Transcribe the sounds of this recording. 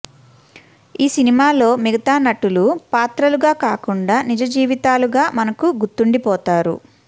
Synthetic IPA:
iːsinimaːlo̞ːmiɡɐt̪aːnɐʈulupaːt̪ɾɐluɡaːkaːkuɳɖaːnid͡ʒɐd͡ʒiːʋit̪aːluɡaːmɐnɐkuɡuɾt̪ːuɳɖipɔːt̪aːɾṵ

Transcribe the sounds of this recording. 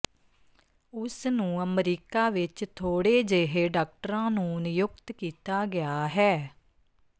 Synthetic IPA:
ʊsnũːəmɾiːkaːʋɪt͡ʃt̪ʰoːɽeːd͡ʒeːɦeːɖaːk̚ʈəɾãːnũːʊnɪjʊkt̪kiːt̪aːɡɪaːɦɛː

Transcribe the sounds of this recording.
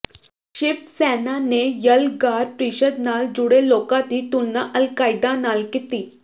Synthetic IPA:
ɕipsɛnanejəlɡaɾpɾiɕəd̪nald͡ʑuɽelokat̪iːt̪unːaʔəlkajd̪analkit̪iː

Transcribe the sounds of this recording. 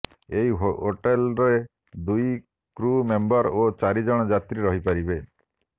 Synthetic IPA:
eɦiɦoɦoʈelɾe | d̪uj | kɾumembɔɾot͡ʃaɾid͡ʒɔɽ̃ɔd͡ʒat̪ɾiɾɔɦipaɾibe

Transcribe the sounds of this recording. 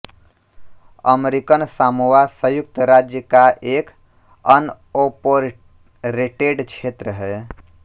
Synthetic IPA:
ə̰meɾikənsamuwasəjuk̚t̪əɾad͡ʒjəkaʔek | ən | opoɾ | ɾeʈeɖt͡ʃʰet̪ɾəɦɛ

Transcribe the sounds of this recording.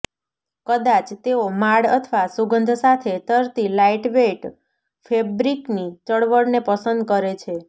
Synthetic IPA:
kəd̪at͡ʃt̪eomaɽə̰t̪ʰʋasuɡənd̪ʱsat̪ʰet̪əɾt̪ilaiʈʋeʈ | fʰebɾiknit̪əɽʋəɽnepəsənd̪̚kəɾet͡ʃʰe

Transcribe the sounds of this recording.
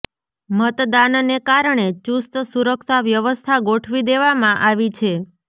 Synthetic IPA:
mət̪d̪annekaɾəɳet͡ʃust̪suɾəksaʋjəʋəst̪ʰaɡoʈʰʋid̪eʋamãʔaʋit͡ʃʰe

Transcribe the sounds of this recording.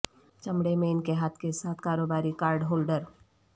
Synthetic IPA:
t͡ʃɐmɽemẽɪnkeɦaːt̪ʰkesaːt̪ʰkaːɾoːbaːɾikaːɾɖɦoːlɖəɾ

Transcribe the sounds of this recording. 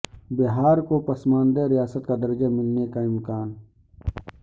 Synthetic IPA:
bɪɦaːɾkopɐsmãːnd̪eɾɪjaːsət̪kad̪əɾd͡ʒamɪlnekaɪmkaːn

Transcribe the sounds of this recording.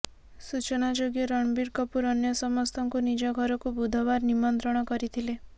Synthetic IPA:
sut͡ʃɔnad͡ʒoɡjɔɾɔɳ̃biɾkɔpuɾɔnjɔsɔmɔst̪ʰɔŋkunid͡ʒɔɡʱɔɾɔkubud̪ʱɔβaɾnimɔnt̪ɾɔɽ̃ɔkɔɾit̪ʰile

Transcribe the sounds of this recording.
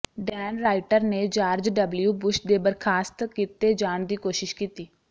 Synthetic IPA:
ɖɛːnɾaːɪʈəɾneːd͡ʒaːɾd͡ʒɖəbljuːbʊʃd̪eːbəɾkʰaːst̪kiːt̪eːd͡ʒaːɳd̪iːkoːʃɪʃkiːt̪iː

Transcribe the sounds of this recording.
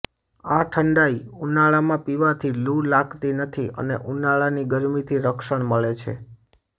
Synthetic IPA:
aʈʰəɳɖaiunaɭamãpiʋat̪ʰiluɽlakt̪inət̪ʰiə̰nḛʔunaɭaniɡəɾmit̪ʰiɾəkʃəɳməɭet͡ʃʰḛ

